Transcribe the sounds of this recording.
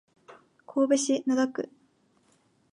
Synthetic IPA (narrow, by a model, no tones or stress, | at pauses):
kʰo̞ːbeɕinad̪akɯ̟